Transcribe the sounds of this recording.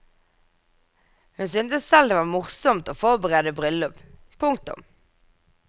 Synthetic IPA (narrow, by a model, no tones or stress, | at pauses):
hʉnsʏnt̪əssɛld̪eːʋɑːʁmʊʁsɔmt̪oːfɔʁbəʁeːd̪əbʁʏlːʊp | pʰʊŋk̚t̪ʊ̰m